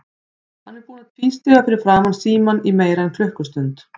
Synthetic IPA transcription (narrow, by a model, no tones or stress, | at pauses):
hanːɛɾpuːnaðfinst̪ɪɣafɪɾɪɾ̥fɾaːmansiːmanimeːjɾaɛnkʰlʏhkʏst̪ʏnt̪